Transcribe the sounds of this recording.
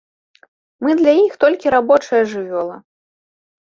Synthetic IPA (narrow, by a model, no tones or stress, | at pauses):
mɨd̪lʲajixt̪ɔlʲkʲiɾabɔt͡ʂɐjɐʐɨvʲɔlˠɐ